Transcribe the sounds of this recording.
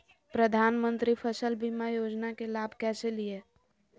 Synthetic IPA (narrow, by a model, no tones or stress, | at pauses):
pɾəd̪ʱaːnmə̃nt̪ɾipʰəsəlbimajoːd͡ʒnakelaːbʱkɛselie